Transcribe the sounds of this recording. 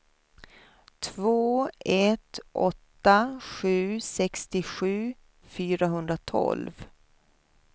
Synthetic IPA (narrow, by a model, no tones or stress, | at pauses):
t̪ʰvoːɛt̪ʔɔt̪ːaɧʉ̟ːsɛkst̪ɪɧʉ̟ː | fyːɾaɦɵnd̪ɾat̪ʰɔ̰lv